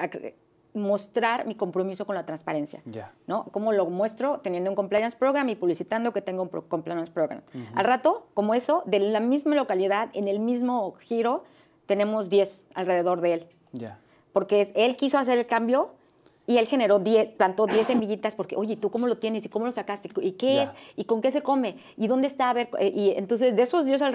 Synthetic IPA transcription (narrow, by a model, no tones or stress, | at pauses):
ak | mo̞st̪ɾaɾmiko̞mpɾo̞miso̞konlat̪ɾanspaɾe̞nsja̰ano̞ko̞mo̞lo̞mwe̞st̪ɾo̞t̪enjend̪ouŋko̞mplajanspɾoɣɾamipuβlisit̪and̪o̞ke̞t̪e̞ŋɡoupɾokomplajanspɾoɣɾa̰ma̰lrat̪o̞ko̞mo̞e̞so̞ðe̞amizmalo̞kaliðaðe̞ne̞lmizmo̞xiɾo̞ | t̪enẽ̞mo̞zd̪je̞s | alre̞ðe̞ðo̞ɾðe̞el | a | po̞ɾke̞ese̞lkiso̞as̬e̞ɾe̞lkambjo̞ | ie̞lxe̞ne̞ɾo̞ðjesplant̪o̞ðje̞se̞miʝit̪aspo̞ɾkeʔo̞ʝe̞it̪uko̞mo̞lo̞t̪jene̞siko̞mo̞lo̞sakast̪eikeesiko̞ŋke̞s̬e̞ko̞me̞ | iðo̞nd̪est̪aβe̞ɾkʔiḛnt̪o̞ns̬e̞zd̪eeso̞zðjes̬al